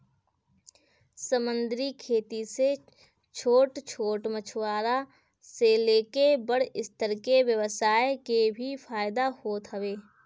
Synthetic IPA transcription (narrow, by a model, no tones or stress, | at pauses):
səmə̃nd̪ɾikʰeːt̪ise | t͡ʃʰoːʈt͡ʃʰoːʈmət͡ʃʰwaːɾa | seleːkebəɽ̤ɪst̪əɾkeʋjəʋəsaːekebʱifaːjɪd̪ahoːt̪ɦəʋeː